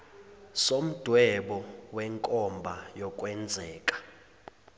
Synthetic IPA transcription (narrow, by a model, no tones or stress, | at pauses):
som̩d̥ʱwɛɓɔwɛŋkʼɔmbʱajɔkʼwɛnd͡zʱɛːkʼḁ